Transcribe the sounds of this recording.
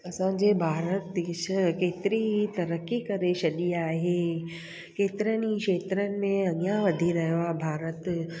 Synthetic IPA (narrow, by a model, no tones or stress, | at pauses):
ɐsã̆ːd͡ʑeːbʱaːɾət̪ʃəkeːt̪ɪɾiɦit̪ɐɾəkːikɐɾesɐɗiaːɦeː | keːt̪ɪɾənikʃeːt̪ɾənɪ̆mẽɐɠijãʋɐd̪ʱiɾɐɦijoaːɦebʱaːɾət̪